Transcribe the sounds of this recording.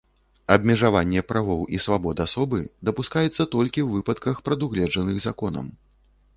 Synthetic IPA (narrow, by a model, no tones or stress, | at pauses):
ɐbʲmʲɛʐavanʲːɛpɾʔavɔwʔisvabɔd̪ɨasɔbɨd̪ɐpuskajɛt̪sːɐt̪ɔlʲkʲiwvɨpɐt̪kɐxpɾɐd̪uɣlʲɛd͡ʐɐnɨɣzakɔnɐ̰m